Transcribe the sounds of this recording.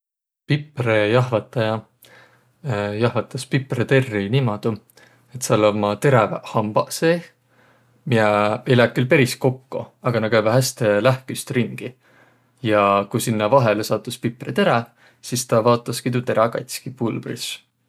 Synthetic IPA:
piprejɑɦvɑt̪ːˑɑjɑ | jɑhvɑt̪ːˑɑspipret̪e̞rːinimɑd̪̥u | e̞t̪sɑlomɑt̪e̞ɾɑvhɑmb̥ɑ̰se | miɛeejlæːkːylpe̞ɾisko̞kːṵɑɡ̥ɑnɑɡkæjbɑɦæst̪elæhkyst̪riŋɡ̥i | jɑkujsinːɑvɑɦelesɑːt̪ːˑuspipːˑret̪e̞ɾæ | sist̪ɑvɑːt̪ːˑɑskit̪ut̪e̞ɾɑkɑ̰jt̪ʲskipulbrḭs

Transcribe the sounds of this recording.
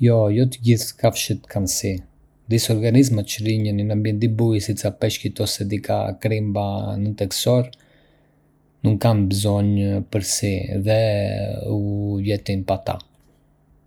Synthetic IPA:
jɔjɔt̪əɟiθkafʃət̪kʰansi | d̪isɔɾɡanizmat͡ʃɾiɲəninambjɛnd̪ibujsisapɛʃkit̪ɔsɛd̪ika̰kɾimbanət̪ɛksɔɾ | nuŋkanbəzɔɲpəɾsiðɛ | ujɛt̪inpat̪a̰

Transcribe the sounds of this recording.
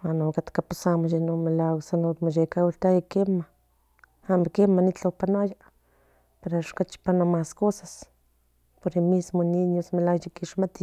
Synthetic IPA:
wanokat̪kapusamoʃenomelawsanot̪moʃekawiɬt̪ajakema | amkemanit͡ɬawpanoaja | peɾaʃkat͡ʃi̥panomaskosas | poɾimismoniɲosmelawjikiʃmat̪i

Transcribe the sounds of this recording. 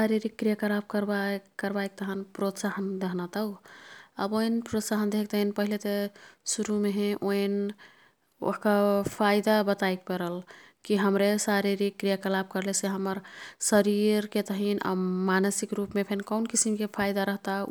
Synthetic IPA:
saɾiɾikːɾijakəɾab̚kəɾbakəɾbajk̚t̪əɦənpɾot̪saɦənd̪eɦnat̪əuə̰boinpɾot̪saɦənd̪eɦk̚t̪əɦinpəɦilet̪esuɾumeɦẽʔoen | o̰ɦkapʰajd̪abət̪ajk̚pəɾəlkiɦəmɾesaɾiɾikːɾijakəlab̚kəɾleseɦəməɾsəɾiɾket̪əɦina̰manəsikɾupmepʰenkəʊnkisimkepʰajd̪aɾəɦt̪a

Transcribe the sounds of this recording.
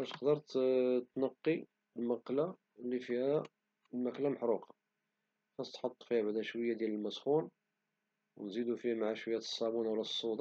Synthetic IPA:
æt̪ə̥qd̪əɾˤt̪t̪nɑqːi | lmɑqːla | lːifihæ | lmæklæməħɾuqɑ̥ | xɑsˤt̪ħɑt̪ˤːfihæbaʕd̪æʃwəjːad̪jæləlmæsxun | wnzid̪ufihmaʕaʃwəjːæt̪ə̥sˤːɑbunwlæsˤːud̪ˤɑ

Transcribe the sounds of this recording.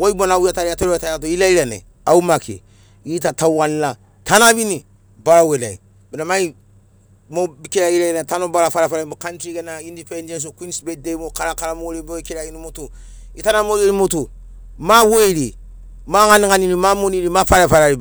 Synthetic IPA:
woibonawuataɾiatoɾetajatoilaiɾenḛ | awumakḭ | jitatawanla | tʰanabini | baɾawela̰i | binamai | mobikeɾajilaietanobaɾafaɾafaɾabukantɾikenaindipendẽns̬okinsbedemokaɾakaɾamooɾeboikeɾajinimotu | itanamoɡeɾimotu | maweɾi | maŋanikaninimamoniɾimafaɾafaɾaɾi

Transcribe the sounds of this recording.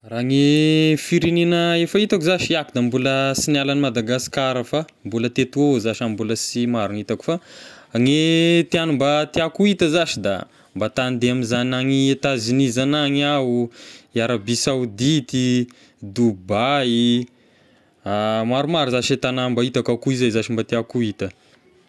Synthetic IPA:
raŋefiɾininəefait̪akuzaʃiiakud̪ambuləsinalanimad̪aɡaskaɾəfa | mbulət̪et̪uozaʃambuləsimaɾunit̪aku̥faŋet̪ianumbat̪iakuit̪əzaʃid̪a̰ | mbat̪and̪eamizanaŋiet̪azinizanaŋaujaɾabisawud̪it̪i | d̪ubai | amaɾumaɾuzaʃet̪anambait̪akakuizajzaʃimbat̪iakuit̪ə

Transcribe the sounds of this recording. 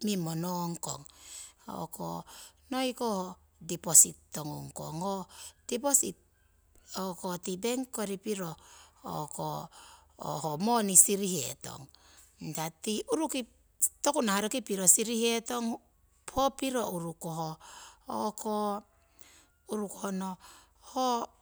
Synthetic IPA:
mimonoŋko̰ŋo̰ko̰nojkoho | dipositːoŋuŋko̰ŋod̥iposit̚ | okotibeŋkoɾipiɾoo̰ko | o̰homonisiɾihḛto̞̰ŋ | tatiʔuɾuki | tokunahaɾokipiɾosiɾihetoŋ | pʰopiɾouɾukoɦo̰ː | kʰo | uɾukohono | ho

